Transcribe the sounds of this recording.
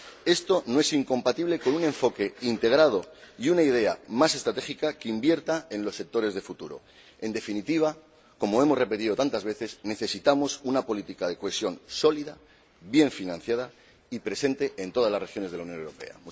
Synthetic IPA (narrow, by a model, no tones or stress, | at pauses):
e̞st̪o̞noe̞siŋko̞mpat̪iβ̞le̞ko̞nune̞ɱfo̞ke̞int̪e̞ɣ̞ɾað̞o̞iunaið̞e̞a̰mase̞st̪ɾat̪e̞ikakeimbje̞ɾt̪ae̞nlo̞sːe̞k̚t̪o̞ɾe̞zðe̞fut̪uɾo̞̰ | e̞nd̪e̞finit̪iβ̞a | ko̞moe̞mo̞zre̞pe̞t̪iðo̞t̪ant̪azβe̞θe̞sne̞θe̞sit̪amo̞sunapo̞lit̪ikaðe̞koesjo̞nso̞liða | bje̞ɱfinãn̟θjaða | ipɾe̞se̞nt̪e̞ʔent̪o̞ð̞azlazre̞xjo̞nezðelaunjonewɾo̞pe̞̰a̰m